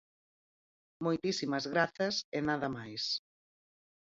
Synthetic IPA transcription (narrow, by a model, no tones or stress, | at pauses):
mojt̪isimɐzɣɾaθɐsenaðɐmajs